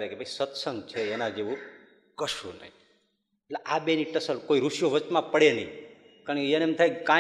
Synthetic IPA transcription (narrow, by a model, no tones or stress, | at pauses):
ɾekebʱəisət̪səŋɡt͡ʃʰeːnãd͡ʒeʋũ | kəʃṵ̃nə̰ɦĩ | eleʔabeniʈəsəlkoiɾuʃjoʋət͡ʃmãpəɽenəĩ | kanenemt̪ʰaikkã